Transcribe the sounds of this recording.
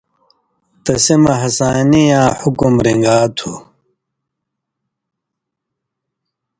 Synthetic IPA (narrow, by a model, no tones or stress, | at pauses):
t̪ɐsimɐɦɐsaːnijãːħukumɾiŋɡaːt̪ʰu